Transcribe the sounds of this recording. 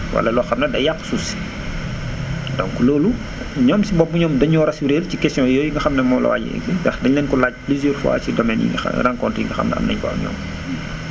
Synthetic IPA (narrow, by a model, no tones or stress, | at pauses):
wɐ̰lɐlɔːxɐmnɐdɐjakːsus | dɔ̰ŋkloːlu | ɲɔːmsibɔbːuɲɔːmdɐɲɔːɾɐsuɾeːlcikɛstjɔ̃jɔːjiŋɡɐxɐmnɛmɔːlɐ̰wa̰ːɟḭʔɛ̰kidɐxdɐɲlɛnkɔlaːɟ̚plizjɛːrfwa̰ːcidɔmɛnjḭŋɡɐ̰raŋkɔntjiŋɡɐxɐ̰mnɛ̰ɐ̰mnɐ̰ɲfa̰ːɲɔ̰ːm